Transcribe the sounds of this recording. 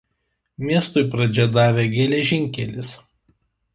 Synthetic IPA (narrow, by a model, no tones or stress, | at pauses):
mʲiɛst̪ʊɪpɾɐd͡ʒʲɛd̪ɑːʋʲeːɡʲɛlʲɛʒʲɪŋʲkʲɛlʲɪs